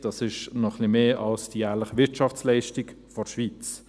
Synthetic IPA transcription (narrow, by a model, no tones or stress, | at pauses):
d̥ɑsɪʃnɔχlimeːʔɑlsd̥ijæːʁləχəʋɪɾtʃɑft͡slɛɪʃtɪk | fɔʃʋiːt͡s